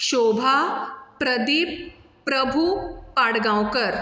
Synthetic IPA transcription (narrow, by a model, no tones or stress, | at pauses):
ɕobʱapɾəd̪iːp̚ː | ɾəbʱupaɽɡãwkəɾ